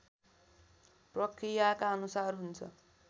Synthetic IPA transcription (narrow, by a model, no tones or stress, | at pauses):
prʌkrijakaʌnusarɦunt͡sʰʌ̰